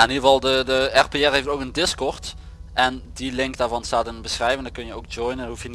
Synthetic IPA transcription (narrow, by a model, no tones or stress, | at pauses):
aɛnivɑlˠdədəɛrpeɛɹɦejftowkəndɪskɔɹt | ʔɛndilɪŋkdaːɹvɑnstaːtɛnbəsrɛjvəndɔkɵnjəowk̚d͡ʒɔjnənhufjən